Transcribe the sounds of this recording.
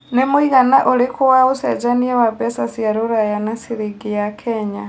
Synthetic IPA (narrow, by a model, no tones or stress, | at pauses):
nemuiɣanaʔolikʰuwausɛd͡ʒaniɛwabɛsasiaɾuɾajanasiɾiɡijakʰɛɲa